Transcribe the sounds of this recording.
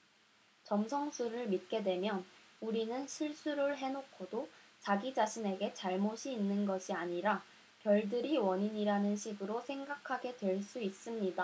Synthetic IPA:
t͡ɕʌmsʰʌŋsʰuɾɯɭmit̚k͈e̞dwe̞mjʌnuɾinɯnɕʰiɭs͈uɾɯɭɦe̞nokʰodot͡ɕaɡid͡ʑaɕʰine̞ɡe̞t͡ɕaɭmoɕʰiːnːɯnɡʌɕʰiaɲiɾa | kjʌɭdɯɾiwʌɲiɲiɾanɯnɕʰiɡɯɾosʰe̞ŋɡakʰaɡe̞dwe̞ɭs͈uis͈ɯmɲida

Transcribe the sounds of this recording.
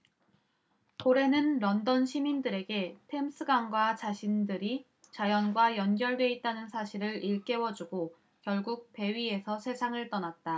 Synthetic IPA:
toɾe̞nɯnɾʌndʌnɕʰimindɯɾe̞ɡe̞tʰe̞ms͈ʰɯɡanɡwat͡ɕaɕʰindɯɾi | t͡ɕajʌnɡwajʌnɡjʌɭdwe̞it̚t͈anɯnsʰaɕʰiɾɯɾiɭk͈e̞wʌd͡ʑuɡo | kjʌɭɡuk̚pe̞ɥie̞sʰʌsʰe̞sʰaŋɯɭt͈ʌnat̚t͈a

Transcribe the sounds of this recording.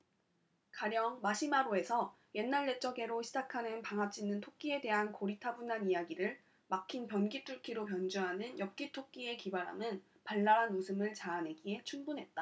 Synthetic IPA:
kaɾjʌŋmaɕʰimaɾoe̞sʰʌ | je̞nːaɭːe̞t͡ɕ͈ʌɡe̞ɾoɕʰid͡ʑakʰanɯnpaŋɦap̚t͡ɕ͈ʰinːɯntʰok̚k͈ie̞de̞ɦankoɾitʰabunːanijaɡiɾɯɭ | makʰinpjʌnɡitʰuɭkʰiɾop̬jʌnd͡ʑuɦanɯnjʌp̚k͈itʰok̚k͈ie̞kibaɾɦa̰mɯn | paɭːaɾɦanmosʰɯmɯɭt͡ɕane̞ɡiɦe̞t͡ɕʰumbunɦe̞t̚t͈a

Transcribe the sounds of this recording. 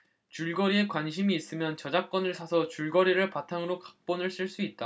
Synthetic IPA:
t͡ɕuɭɡʌɾie̞kwanɕʰimiːs͈ɯmjʌnt͡ɕʌd͡ʑak̚k͈ʌnɯɭsʰasʰʌt͡ɕuɭɡʌɾiɾɯɭpatʰaŋɯɾokḁk̚p͈onɯɭs͈ʰɯɭs͈uit̚t͈a

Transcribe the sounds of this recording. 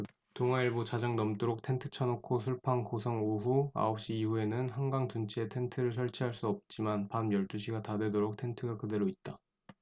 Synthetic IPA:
toŋɦaiɭbot͡ɕad͡ʑaŋnʌmt͈oɾok̚tʰe̞ntʰɯ̥t͡ɕʰʌnokʰosʰuɭpʰaŋkosʰʌŋoɦua̰ʌp̚ɕ͈iːhue̞nɯnhaŋɡaŋt͡ɕunt͡ɕʰietʰe̞ntʰɯɾɯɭs̬ʰʌɭt͡ɕʰiɦaɭs͈uʌp̚t͡ɕ͈imanpanːjʌɭt͈uɕʰiɡatadwe̞doɾok̚tʰe̞ntʰɯɡakɯde̞ɾoit̚t͈a

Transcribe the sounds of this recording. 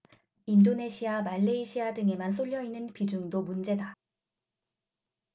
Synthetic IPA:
indone̞ɕʰiamaʎːeiɕʰiadɯŋe̞mansʰoʎːjʌinɯnpid͡ʑuŋdomund͡ʑe̞da

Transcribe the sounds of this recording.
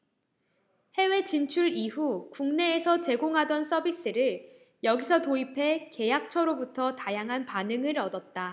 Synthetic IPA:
he̞we̞t͡ɕint͡ɕʰuɾiɦukuŋne̞ːsʰʌt͡ɕe̞ɡoŋɦadʌns͈ʌbis͈ɯɾɯɭ | jʌɡisʰʌtoipʰe̞ke̞jak̚t͡ɕʰʌɾobutʰʌtajaŋɦanpanɯŋɯɾʌdʌt̚t͈a

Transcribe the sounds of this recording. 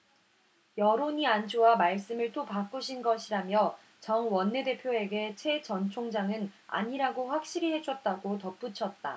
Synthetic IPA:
jʌɾoɲiant͡ɕʰuwamaɭs͈ɯmɯɭt͈opak͈uɕʰinɡʌɕʰiɾamjʌ | t͡ɕʌŋwʌnːe̞de̞pʰjoe̞ɡe̞t͡ɕʰe̞t͡ɕʌnt͡ɕʰoŋd͡ʑaŋɯna̰ɲiɾaɡoɸwak̚ɕ͈iɾiɦe̞t͡ɕʰʌt̚t͈aɡotʌp͈ut͡ɕʰʌt̚t͈a

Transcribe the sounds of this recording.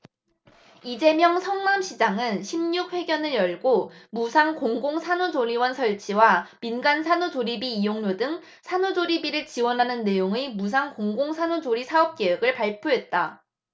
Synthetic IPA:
id͡ʑe̞mjʌŋsʰʌŋnamɕʰid͡ʑaŋɯnɕʰimɲuɸwe̞ɡjʌnɯɾjʌɭɡomusʰaŋkoŋɡoŋsʰanud͡ʑoɾiwʌnsʰʌɭt͡ɕʰiwaminɡansʰanud͡ʑoɾibiːjoŋɲodɯŋ | sʰanud͡ʑoɾibiɾɯɭt͡ɕiwʌnɦanɯnːe̞joŋemus̬ʰaŋkoŋɡoŋsʰanud͡ʑoɾisʰaʌp̚k͈e̞ɯɡɯɭpaɭpʰjoɦe̞t̚t͈a

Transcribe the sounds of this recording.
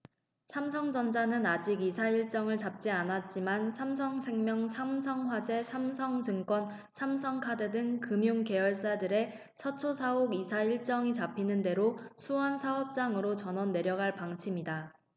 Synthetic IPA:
sʰamsʰʌŋd͡ʑʌnd͡ʑanɯnad͡ʑiɡisʰaiɭt͡ɕ͈ʌŋɯɭt͡ɕap̚t͡ɕ͈ianat̚t͡ɕ͈imansʰamsʰʌŋsʰe̞ŋmjʌŋsʰamsʰʌŋɸwad͡ʑe̞sʰamsʰʌŋd͡ʑɯŋk͈wʌn | sʰamsʰʌŋkʰadedɯŋkɯmjuŋke̞ʌɭs͈adɯɾe̞ | sʰʌt͡ɕʰosʰaɦoɡisʰaiɭt͡ɕ͈ʌŋit͡ɕapʰinɯnde̞ɾosʰuʌnsʰaʌp̚t͡ɕ͈aŋɯɾot͡ɕʌnʌnːe̞ɾjʌɡaɭpaŋt͡ɕʰimida

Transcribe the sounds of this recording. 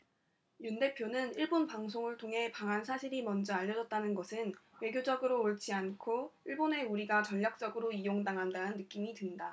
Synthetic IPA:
junde̞pʰjonɯniɭbonpaŋsʰoŋɯɭtʰoŋɦe̞paŋɦansʰaɕʰiɾimʌnd͡ʑʌaʎːʌd͡ʑʌt̚t͈anɯnɡʌsʰɯnwe̞ɡjod͡ʑʌɡɯɾoːɭt͡ɕʰiankʰoiɭbone̞uɾiɡat͡ɕʌʎːak̚t͡ɕ͈ʌɡɯɾoijoŋdaŋɦandanɯnːɯk͈imitɯnda

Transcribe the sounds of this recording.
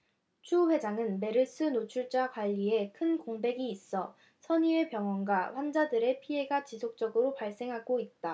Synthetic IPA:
t͡ɕʰuɸwe̞d͡ʑaŋɯnme̞ɾɯs͈ɯnot͡ɕʰuɭt͡ɕ͈akwaʎːie̞kʰɯnkoŋbe̞ɡiːs͈ʌ | sʰʌɲie̞pjʌŋwʌnɡwaɸwand͡ʑadɯɾe̞pʰie̞ɡat͡ɕisʰok̚t͡ɕ͈ʌɡɯɾopaɭs͈e̞ŋɦaɡoit̚t͈a

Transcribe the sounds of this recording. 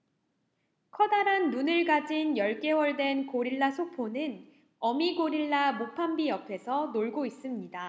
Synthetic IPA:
kʰʌdaɾanːunɯɭɡad͡ʑinjʌɭk͈e̞wʌɭdwe̞nkoɾiɭːasʰok̚pʰonɯn | ʌmiɡoɾiɭːamopʰambiʌpʰe̞sʰʌnoɭɡois͈ɯmɲida

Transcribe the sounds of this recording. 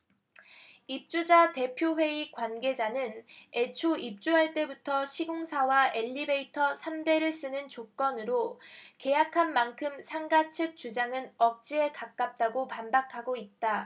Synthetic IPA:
ip̚t͡ɕ͈ud͡ʑate̞pʰjoɸwe̞ikwanɡe̞d͡ʑanɯne̞t͡ɕʰoip̚t͡ɕ͈uɦaɭt͈e̞butʰʌɕʰiɡoŋsʰawaʔeʎːibe̞itʰʌsʰamde̞ɾɯɭs͈ɯnɯnt͡ɕok͈ʌnɯɾoke̞jakʰanmankʰɯmsʰaŋɡat͡ɕʰɯk̚t͡ɕ͈ud͡ʑaŋɯnʌk̚t͡ɕ͈ie̞kak̚k͈ap̚t͈aɡopanbakʰaɡoit̚t͈a

